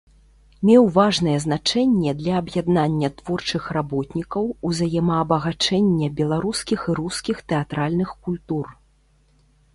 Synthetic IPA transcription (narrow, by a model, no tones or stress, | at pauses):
mʲɛwvaʐnɐjɛznat͡ʂɛnʲːɛd̪lʲɐːbjad̪nanʲːɐt̪v̥ɔrt͡ʂɨxrabɔt̪nʲikɐwuzajɛmɐːbɐɣat͡ʂɛnʲːɛbʲɛlˠaɾuskʲixiɾuskʲixt̪ɛat̪ɾalʲnɨxkulʲt̪ur